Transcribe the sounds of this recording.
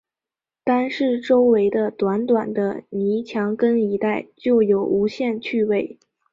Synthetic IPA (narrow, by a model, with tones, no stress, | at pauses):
t̪a˥nʂɻ̩˥˩ʈ͡ʂo˥ʊwe˧˥ɪd̪ə˧t̪wa˧˥nt̪wa˨˩nd̪ə˦ni˧˥t͡ɕʰjɑ˧˥ŋkə˥ŋi˧˥t̪a˥˩ɪt͡ɕjo˥˩ʊjo˨˩ʊu˧˥ɕjɛ˥˧nt͡ɕʰy˥˧we˥˩ɪ